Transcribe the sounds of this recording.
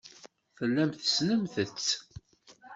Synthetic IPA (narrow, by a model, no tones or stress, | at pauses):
fəlːæmθəsnəmθət͡sː